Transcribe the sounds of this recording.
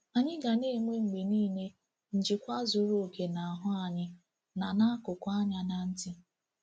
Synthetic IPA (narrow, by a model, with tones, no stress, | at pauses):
a˨ɲɪ˦ɡa˨neː˦˨ŋ͡me˦ŋ͡m̩˨ɡ͡be˨niː˦˨ne˦ | n̩˨d͡ʒɪ˨kʷa˦zʊ˨ɾo˦o˨ke˨na˨a˨ɦʊ˦a˨ɲɪ˦ | na˨na˦a˦kʊ˨kʷa˦ɲa˦na˨n̩˦tɪ˦